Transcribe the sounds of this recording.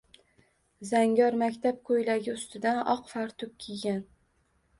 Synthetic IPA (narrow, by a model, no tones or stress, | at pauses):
zaŋɡʲɒɾmakʲt̪ʰap̚qʰojlaɡʲɪʊst̪ɪd̪anɒqfaɾt̪ʰʊp̚ʲkʲʰiɡʲan